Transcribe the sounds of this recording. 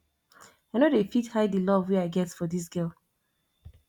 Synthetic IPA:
aɪnodefithaɪddɨlɔvweaɪɡɛtsfɔdis̬ɡ̥ɜlˠ

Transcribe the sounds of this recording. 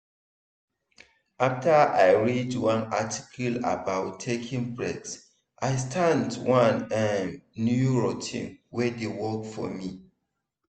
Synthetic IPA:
ʔaftʰəajɹidwãnati̥kʰəla̰baʊtʰːekʰĩŋbɹɛks | ʔajstʰãntwãnɛ̃mnjuɹotʰḭ̃nwɛdewɔkfɔ̰mi

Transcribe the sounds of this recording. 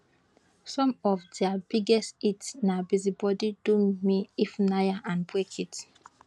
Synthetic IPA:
sɔ̃mɔvdɛabiɡɛstitsnabizibɔdidumiifnajaʔãnbwɛkʰit

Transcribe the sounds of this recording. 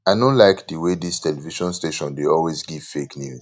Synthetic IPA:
aɪdõnlaɪkdəwedistʰɛlɛviʃɔ̃nsteʃɔ̃ndeɔlwezɡiv̥feknjuz

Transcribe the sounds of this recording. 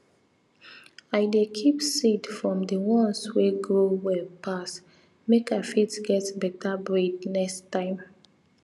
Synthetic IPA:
aɪdekʰipsidfɹɔ̃mdəwɔ̃nsweɡɹowɛlpʰas | mekafitɡɛtbɛtabɹednɛkstːãɪ̃m

